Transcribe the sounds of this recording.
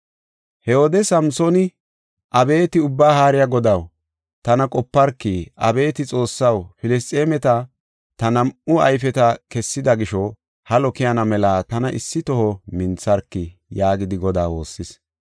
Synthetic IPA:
hɛoːd̪ɛsɐmsɔnɪ | ʔɐbe̞ːt̪ɪʊbːaːhaːɾɪjaɡɔd̪ɐw | t̪ɐnɐkʼɔpːɐɾkːiʔɐbe̞ːt̪ɪt͡sʼo̞ːsːɐwfɪlɪs̬t̪ʼeːmɛt̪ɐ | t̪ɐnɐmʊɐ̰jfɛt̪ɐkɛsːɪd̪ɐɡɪʃɔ | hɐlɔkɪjɐnɐmɛlaːt̪ɐnɐʔɪ̰sːɪt̪ɔhɔmɪnt͡sːɐɾkːɪjaːɡɪd̪ɪɡɔd̪aːwo̞ːsːɪs

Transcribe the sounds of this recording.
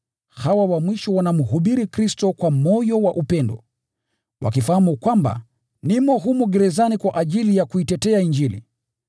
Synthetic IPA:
hawawamwiʃɔwanamuɦuɓiɾikɾistɔkwamɔjɔwaʔupɛndɔ̰ | wa̰kifahamukwamba̰ | nimɔɦumuɡɛɾɛzanikwaʔaʄilijakuitɛtɛaiɲd͡ʒilḭ

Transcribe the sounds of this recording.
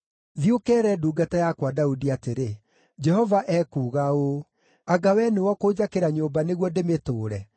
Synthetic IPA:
ðiokɛːɾɛduːɡatajakwadaudiateɾe | d͡ʑɛɦɔvaʔɛkuːɣao | aɡawɛnewɔkoːd͡ʑakeɾaɲoːbaneɣwɔdemetoːɾɛ

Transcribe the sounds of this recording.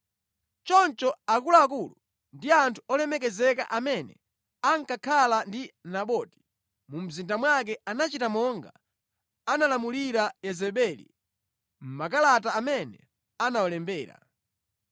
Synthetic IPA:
t͡ʃɔnt͡ʃɔakulaːk̬ulu | ndiantʰu̥ɔlɛmɛkɛzɛka̰ʔamɛnɛ̰ | aŋkakʰalandinaɓɔti̥ | mum̩zindamwak̬ɛanat͡ʃitamɔŋɡa̰ | analamuliɾajɛzɛɓɛlḭ | m̩makalataːmɛnɛ | anawɔlɛmbɛːɾa̰

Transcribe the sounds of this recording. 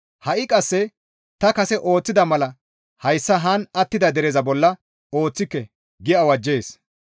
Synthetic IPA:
hɐʔɪkʼɐsːɛ | t̪ɐkɐsɛʔo̞ːt͡sːɪd̪ɐmɐlɐ | hɐjsːɐɦɐnɐt̪ːɪd̪ɐd̪ɛɾɛzɐbɔlːɐ | o̞ːt͡sːɪkːɛ | ɡɪɐwɐd͡ʒːe̞ːs

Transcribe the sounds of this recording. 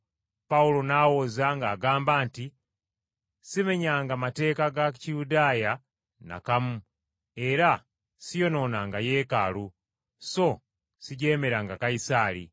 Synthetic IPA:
paulo̞nawozaŋɡaːɡaːmbaːnti | sime̞ɲaŋɡamate̞ːkaɡat͡ʃijudaːja | na̰kamu | e̞ɾa | sijo̞no̞naŋɡaje̞ːka̰lu | so̞ | siɟe̞me̞ɾaŋɡakaisaːlḭ

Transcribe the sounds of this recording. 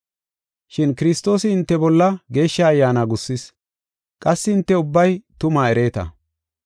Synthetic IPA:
ʃɪnkɪɾɪst̪o̞ːsɪɪnt̪ːɛbɔlːɐɡe̞ːʃːɐːjːaːnaɡʊsːɪs | kʼɐsːɪɪnt̪ːɛʊbːɐjt̪ʊmaɛɾe̞ːt̪ɐ̰

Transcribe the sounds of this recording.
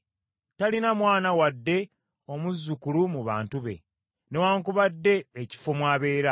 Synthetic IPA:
talinamwaːnawadːe̞ | o̞muzːukulumuβa̰ːntuβe̞̰ | ne̞waːŋkuβadːe̞ːci̥fomwaːβe̞ːɾa

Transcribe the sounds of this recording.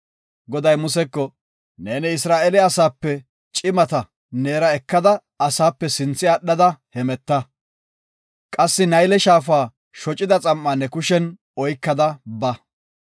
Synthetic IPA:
ɡɔd̪ɐjmʊsɛkːɔ | neːnɪɪs̬ɾaːʔɛlɛɐsaːpːɛ | t͡ʃʼɪmɐt̪ɐ | neːɾɐɛkːɐd̪ɐ | ɐsaːpːɛsɪnt͡sːɪɐɗːɐd̪ɐhɛmɛt̪ːɐ | kʼɐsːɪnɐjlɛʃaːf̬aː | ʃɔt͡ʃʼɪd̪ɐt͡sʼɐmːɐnːɛkʊʃɛn | ɔjkːɐd̪ɐbɐ

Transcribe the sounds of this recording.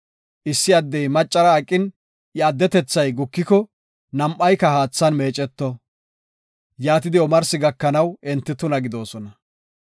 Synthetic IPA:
ʔɪsːɪɐd̪ːɛjmɐt͡ʃʼːɐɾɐːkʼːɪn | jɛɐd̪ːɛt̪ɛt͡sːɐjɡʊkːɪkɔ | nɐmʔːɐjkːɐhaːt͡sːɐnme̞ːt͡ʃʼːɛt̪ːɔ | jaːt̪ɪd̪ɪɔmɐɾsɪɡɐkːɐnɐwɛnt̪ːɪt̪ʊnɐɡɪd̪o̞ːsɔnɐ

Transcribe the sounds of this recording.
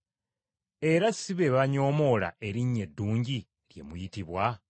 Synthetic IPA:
e̞ɾasiβe̞βaɲo̞ːmo̞la̰ʔe̞ɾiɲːe̞dːuːɲɟi | ɾje̞̰mujitiβwa

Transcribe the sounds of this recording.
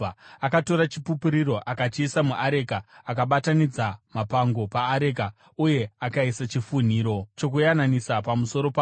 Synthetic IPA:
akato̞ɾat͡ʃipupiɾiɾo̞ʔakat͡ʃiːsamuʔaɾekaːkaɓatanid͡zamapaŋɡo̞paːɾe̞ka | uje̞akaisat͡ʃifun̤iːɾo̞t͡ʃo̞k̬ujananisapamuso̞ɾo̞pa

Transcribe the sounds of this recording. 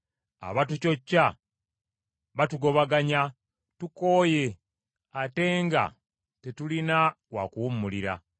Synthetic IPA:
a̰βatuco̞cːa | βatuɡo̞βaɡaɲa | tuko̞ːje̞ | ate̞ːŋɡa̰ | tetulina | wakuumːuliɾa̰

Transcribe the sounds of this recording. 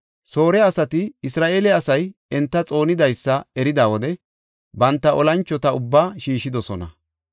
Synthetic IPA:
so̞ːɾɛɐsɐt̪ɪɪsɾaːʔeːlɛɐsɐjɛnt̪ːɐt͡sʼo̞ːnɪd̪ɐjsːɐɛɾɪd̪aːwɔd̪ɛ | bɐnt̪ːɐʔɔlɐnt͡ʃːɔt̪ɐʊbːaːʃiːʃːɪd̪ɔsɔnɐ̰

